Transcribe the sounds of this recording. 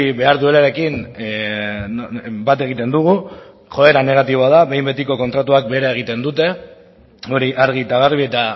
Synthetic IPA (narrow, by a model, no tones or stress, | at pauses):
iβe̞aɾðue̞laɾe̞kin | bat̪e̞ɣ̞it̪e̞nd̪uɣ̞u | χo̞e̞ɾane̞ɣ̞at̪iβoað̞aβe̞jmbe̞t̪iko̞ko̞nt̪ɾat̪uak̚be̞ɾae̞ɣ̞it̪e̞nd̪ut̪e̞ | o̞ɾiʔaɾɣ̞it̪aɣ̞aɾβie̞t̪a